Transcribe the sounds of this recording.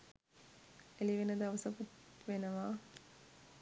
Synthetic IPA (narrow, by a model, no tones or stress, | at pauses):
eliʋenəd̪ɐʋɐsɐkut̪ʋenɐʋaː